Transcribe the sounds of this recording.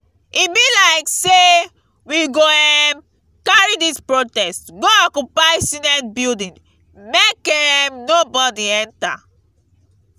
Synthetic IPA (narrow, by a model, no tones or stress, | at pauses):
ibilaɪkse | wiɡoɛm | kaɹidispɹotɛstɡoɔkjupajsĩnɛnbildĩn | mekɛmnobɔdiɛ̃nta̰